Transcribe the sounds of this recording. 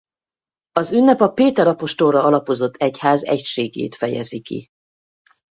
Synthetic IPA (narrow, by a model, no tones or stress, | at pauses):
ɒzynːɛpɒpeːt̪ɛɾɒpo̞ʃt̪o̞lrɒɒlɒpo̞zo̞t̪ʰːɛchaːzɛ̰cʃeːɡḛːt̪fɛjɛ̰zikḭ